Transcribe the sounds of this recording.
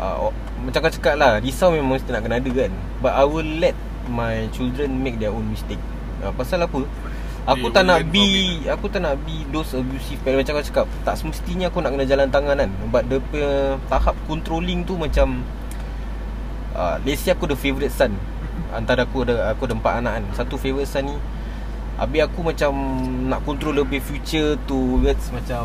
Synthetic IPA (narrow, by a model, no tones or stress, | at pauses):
ʔə̰ | mat͡ʃamkat͡ʃə̥kap̚ladisawmemaŋst̪ənaʔkənaadəkan | baʔajwəlːɛt̪̚ | majt͡ʃildɾənmek̚dɛɔnmĩst̪ek̚ | ə̰pasalapə | akut̪anaʔbiakut̪aʔnaʔbidosəbjusifpɛlmat͡ʃamkat͡ʃə̥kap̚t̪aʔsəməst̪iɲəakunaʔkənad͡ʒalant̪aŋanan | bat̪̚dəpət̪ahap̚kɔnt̪ɾoliŋt̪umãt͡ʃam | ʔə̰lesiakudəfevɾit̪̚san | a̰nt̪aɾaakuadaakudəmpat̪anaʔansat̪ufevɾit̪̚sanːĩ | ʔa̰bɪakumãt͡ʃamnaʔkɔnt̪ɾoləbɪhfjut͡ʃət̪uwət̪smat͡ʃa